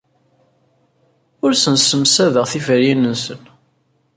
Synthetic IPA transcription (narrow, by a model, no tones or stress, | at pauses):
ʊɾsənsəmsæðəʁθifəɾjinənsən